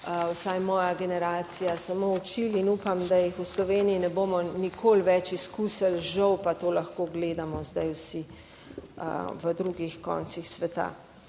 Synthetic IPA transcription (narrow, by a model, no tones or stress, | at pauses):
wsajmɔːjaɡɛnɛɾaːt̪sijasamout͡ʃilinuːpamd̪ajixuslɔʋeːniinɛboːmɔnikʰoːlʋɛt͡ʃiskusəlʒəwpat̪oːlaxkoːɡleːd̪amɔzd̪ajwsḭ | ʋəd̪ɾuːɡixkɔ̰ːnt̪sixsʋɛt̪a̰